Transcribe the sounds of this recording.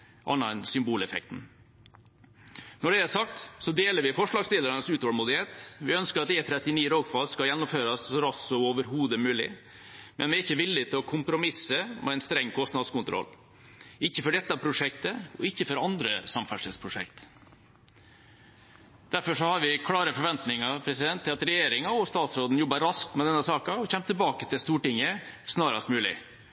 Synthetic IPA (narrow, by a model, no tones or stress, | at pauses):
ʔɑ̰nːɑɛnsʏmbuːlɛfɛ̰k̚t̪n̩ | nɔɖɛæsɑkt̪sɔd̪eːləɾʋɪfɔʂɭɑːɡst̪ɪːləɾɑnəsʉːt̪ɔːlmuːd̪ɪheːt̪ʋɪœnskəɾɑt̪eːt̪ʰɾɛt̪ːɪniːɾoːɡfɑlskɑjɛnːɔmføːɾɑsɾɑsɔoːʋəɾɦuːd̪əmʉːlɪ̰ | mɛ̰nʋɪæɾɪçːəʋɪlːɪt̪ʰɪlɔkʰʊmpɾʊmɪsəmʔɛ̰ɛɪnst̪ɾɛŋːkʰɔst̪nɑd̪skʊnt̪ʰɾɔ̰lː | ɪçːəfɔɖɛt̪ːɑpʰɾʊʂɛk̚t̪əɔɪçːəfɔɾɑnd̪ɾəsɑmfæʂɛspʰɾʊʂɛ̰kt̪ | d̪̥æɾfɔʂɔhɑɾʋɪkʰlɑːɾəfɔɾʋɛnt̪nɪŋɑpʰɾɛsɪd̪ɛnt̪ʰːɪlɑt̪ɾɛjeːɾɪŋɑɔst̪ɑːt̪sɾoːd̪n̩jɔbːɑɾɑskt̪mɛd̪ɛnːəsɑːkɑɔçɛmːt̪ʰɪlbɑːkət̪ʰɪlst̪uːʈɪŋːəsnɑːɾɑst̪mʉːlɪ̰